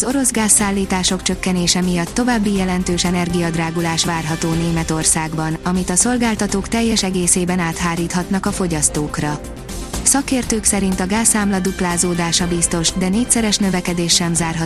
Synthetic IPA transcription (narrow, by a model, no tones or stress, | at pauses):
zo̞ɾo̞zɡaːsːaːlːiːt̪aːʃo̞kt͡ʃø̞kːɛneːʃɛmijɒt̪ːo̞vaːbːijɛlɛnt̪øːʃɛnɛrɡijɒd̪raːɡulaːʃʋaːrɦɒt̪oːneːmɛt̪o̞rsaːɡbɒnɒmit̪ɒso̞lɡaːlt̪ɒt̪oːkt̪ɛjːɛʃɛɡeːseːbɛnaːt̪ɦaːɾiːt̪hɒt̪nɒkɒfo̞ɟɒst̪oːkrɒ | sɒkeːrt̪øːksɛɾint̪ɒɡaːsːaːmlɒd̪uplaːzoːd̪aːʃɒbist̪o̞ʃd̪ɛneːc̚ʲsɛɾɛʃnø̞vɛkɛd̪eːʃːɛmzaːrɦɒ